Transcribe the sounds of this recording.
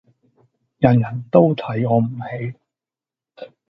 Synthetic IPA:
jɐ˨˩njɐ˨˩nt̪o˥wt̪ʰɐ˨˥jɔː˨˧m̩˨˩he˨˥j

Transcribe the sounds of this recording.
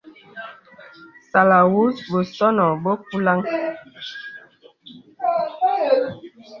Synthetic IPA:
sa˨la˨wu˦sbo˨sɔ˦nɔ˨bo˦k̚u˦la˦ŋ

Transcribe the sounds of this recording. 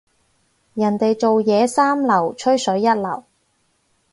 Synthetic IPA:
jɐ˨˩nt̪e˨jt͡so˨wjɛː˨˧saː˥mlɐ˨˩wt͡ʃʰɵ˥ɥsɵ˨˥ɥːɐ˥t̚lɐ˨˩w

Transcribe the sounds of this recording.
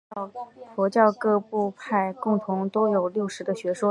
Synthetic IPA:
fɔ˧˥t͡ɕjɑ˥˧ʊkɤ˥˧pu˥˧pʰa˥˧˩ɪkʊ˥˩ŋt̪ʰʊ˧˥ŋt̪o˥ʊjo˨˩ʊljo˥˩ʊʂɻ̩˧˥ɡ̪ə˧ɕɥɛ˧˥ʂwɔ˥

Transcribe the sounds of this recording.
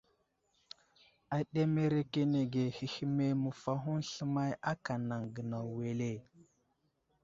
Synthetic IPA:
a˨ɗe˦me˦ɾe˦ke˦ne˨ɡe˨hi˨hi˦me˦mə˨fa˦ɦu˦nɬə˦ma˦ja˦ka˨na˨ŋɡə˨na˨we˨le˦˨

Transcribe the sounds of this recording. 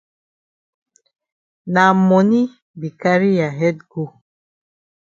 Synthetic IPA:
na˨mɔ˨ni˦ | bi˨ka˦ɾi˦ja˨ɦɛ˦t̚ɡo˦

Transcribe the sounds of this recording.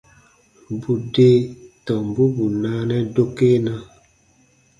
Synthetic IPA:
bu˨de˦tɔ˨m˨bu˦bu˨na˦nɛ˦do˦ke˦na˦

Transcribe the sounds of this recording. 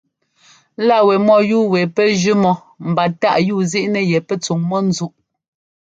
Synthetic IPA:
la˦˨wɛ˨mɔ˦˨juː˦˨wɛ˨pɛ˦d͡ʒʉ˦mɔ˨ | m̩˨ba˨ta̰˦˨ʔjuː˦˨zi˦ʔnɛ˨jɛ˨pɛ˦t͡su˨ŋmɔ˦n̩˦zu˦ʔ

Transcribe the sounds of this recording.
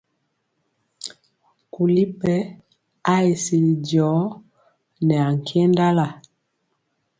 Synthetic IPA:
ku˨li˦pɛ˦ | a˦e˨si˨i˨dɔ˨˦ | nɛ˨a˨ŋ˨kʰɛ˦nda˦la˨

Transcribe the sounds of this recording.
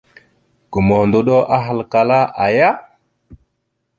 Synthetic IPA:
ɡ̥u˨mo˨ndo˨ɗo˦ʔa˦ɦa˨lka˨la˦ʔa˨ja˦

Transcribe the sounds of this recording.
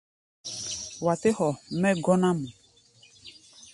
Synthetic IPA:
wa˨tɪ˦hɔ˨mɛ˦ɡɔ˦nã˦mũ˨

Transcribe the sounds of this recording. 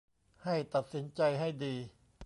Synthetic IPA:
ha˥˩jt̪a˨˩t̪̚si˩˦nt͡ɕa˧jɦa˥˩jdiː˧

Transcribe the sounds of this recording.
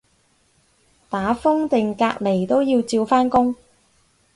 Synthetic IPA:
t̪aː˨˥fʊ˥ŋt̪ɪ˨ŋkaː˧k̚le˨˩jt̪o˥wji˧wt͡siː˧wfaː˥nkʊ˥ŋ

